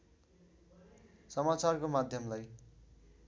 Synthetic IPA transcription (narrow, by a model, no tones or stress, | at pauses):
sʌmat͡sarkomad̪ʱjʌmlaj